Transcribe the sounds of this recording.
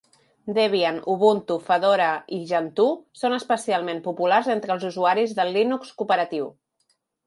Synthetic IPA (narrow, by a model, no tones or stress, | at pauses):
d̪eβianuβunt̪ufəðoɾəiʒənt̪usonəspəsialˠmempupularzent̪ɾəːlˠzuzuaɾizðəlːinukskupəɾət̪iw